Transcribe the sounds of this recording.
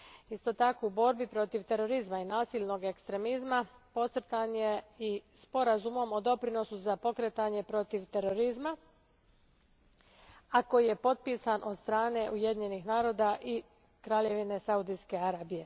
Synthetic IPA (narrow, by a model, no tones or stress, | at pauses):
ist̪o̞t̪ako̞ubo̞ɾbipɾo̞t̪iʋt̪e̞ɾo̞ɾizmainaːsiʎʲno̞ɡe̞kst̪ɾe̞mizmapo̞t̪sr̩t̪anjeispo̞ɾazumo̞mo̞d̪o̞pɾino̞suzapo̞kɾet̪aɲe̞pɾo̞t̪iʋt̪e̞ɾo̞ɾizma | ako̞jije̞po̞t̪̚piːsanʔo̞d̪st̪ɾaːne̞ʔuje̞d̪iɲe̞nixnaːɾo̞ːd̪aʔi | kɾaːʎe̞ʋine̞saud̪ijske̞aɾaːbije̞